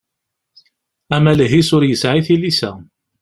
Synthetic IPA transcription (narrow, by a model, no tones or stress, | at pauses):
æmæləɦisʊɾjəsʕiθilːisæ̰